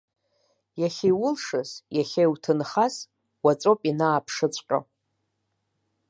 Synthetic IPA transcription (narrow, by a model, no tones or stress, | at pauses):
jaχʲejwʊlʂɨzjaχʲejwtʰɨnχas | wat͡sʼopʼinaːpʰʂɨt͡sʷʼqʲʼa̰